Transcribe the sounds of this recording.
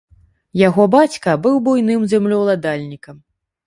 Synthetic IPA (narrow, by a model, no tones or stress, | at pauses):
jaɣɔbat͡sʲkɐbɨwbujnɨmzʲɛmlʲɔwlˠad̪alʲnʲikɐm